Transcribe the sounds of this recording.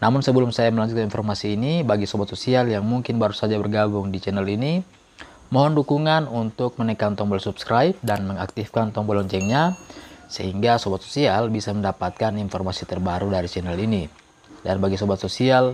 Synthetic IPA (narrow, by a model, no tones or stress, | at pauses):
namʊnsəbəlumsajaməlaɲd͡ʒut̪̚kaninfɔrmasiːnibaɡisɔbat̪̚sosialjaŋmuŋkɪnbaɾusad͡ʒabərɡabʊŋdit͡ʃɛnɛlini | mɔɦɔndukuŋanunt̪ʊk̚mənɛkant̪ɔmbɔlsupskɾaip̚danməŋak̚t̪ifkant̪ɔŋbɔlɔɲt͡ʃɛŋɲasəɦiŋɡasɔbɔt̪̚so̥sialbisaməndapat̪̚kaninfɔrmasit̪ərbaɾudaɾit͡ʃɛnɛlini | danbaɡisɔbat̪sosial